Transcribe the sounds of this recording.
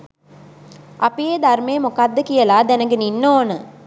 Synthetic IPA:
ʔɐpijed̪armeːmukad̪ːəkijɐlaːd̪ɛnɐɡəninːoːnə

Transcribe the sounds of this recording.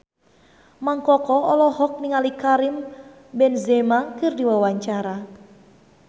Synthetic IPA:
maŋkɔkɔɔlɔɦɔk̚niŋalikaɾim | bɛnzɛmakɨrdiwawaɲt͡ʃaɾa

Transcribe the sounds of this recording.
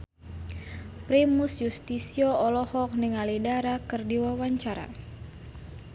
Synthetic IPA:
pɾimusjust̪isiɔɔlɔhɔk̚niŋalidaɾakɨrdiwawaɲt͡ʃaɾa̰

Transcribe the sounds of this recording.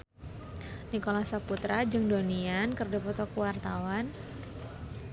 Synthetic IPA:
nikolasaput̪ɾad͡ʒɨŋdoniankərdapɔt̪ɔkuwart̪awan

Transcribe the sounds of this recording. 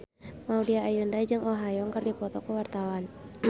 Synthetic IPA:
maudiaːjundaid͡ʒɨŋʔɔɦajɔŋkɨrdipɔt̪ɔkuwart̪awan

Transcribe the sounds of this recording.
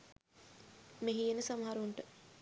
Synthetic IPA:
meɦienəsamɐɦaɾuɳʈə

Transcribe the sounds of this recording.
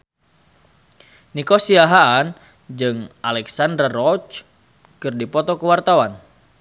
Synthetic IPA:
nikosiaɦaːn | d͡ʒɨŋʔalɛksandɾarɔt͡ʃ | kɨrdipɔt̪ɔkəwart̪awan

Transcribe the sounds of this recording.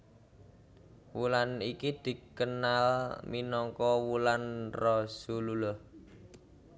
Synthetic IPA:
wulanikid̪̥i̤kənalminɔŋkɔwulanrɔsululʊh

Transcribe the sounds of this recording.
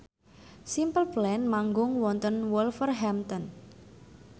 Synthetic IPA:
simpəlplɛnmaŋɡʊŋwɔnt̪ənwɔlfərɦɛmt̪ɔn

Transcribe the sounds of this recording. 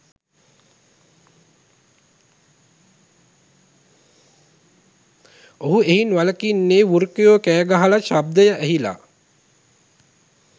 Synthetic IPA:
oɦueɦinʋaləkinːeːʋuɾkijoːkæːɡaɦalaʃab̚d̪əjəʔæɦila̰ː

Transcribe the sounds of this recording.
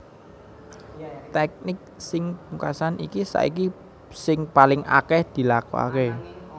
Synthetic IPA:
t̪ɛk̚nɪk̚sɪŋpukasanʔḭkisa̰ʔḭki | sɪŋpalɪŋa̰kɛhd̪̥i̤lakɔ̰a̰ke

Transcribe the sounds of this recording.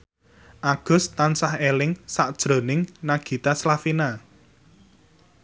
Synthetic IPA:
ʔaɡ̥ʊ̤st̪ansahelɪŋsaʔd̥ʒ̥ɾo̤nɪŋnaɡ̥i̤t̪aslafina

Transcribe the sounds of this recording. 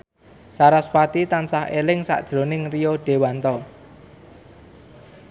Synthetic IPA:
saɾaswat̪it̪ansahelɪŋsa̰ʔd̥ʒ̥ɾo̤nɪŋrioɖ̥e̤want̪ɔ

